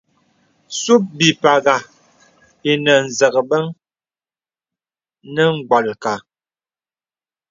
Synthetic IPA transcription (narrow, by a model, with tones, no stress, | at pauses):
su˦p̚bi˨pa˨ɣa˨ | i˨nə˨n̩˨zə˨ɣə˨bə˦ŋ | nə˦ŋ̩˨ɡ͡bwa˨lka˨